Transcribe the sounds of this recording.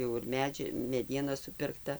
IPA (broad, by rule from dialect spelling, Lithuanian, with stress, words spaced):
ˈjɛʊ ɪr ˈmʲæːd͡ʒʲɪ mʲɛˈdʲiɛnɐ sʊpʲɪrkˈtɐ